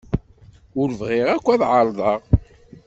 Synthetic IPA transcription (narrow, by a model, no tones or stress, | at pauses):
ʊɾəvʁɪʁækʷːæðʕəɾˤðˤɑʁ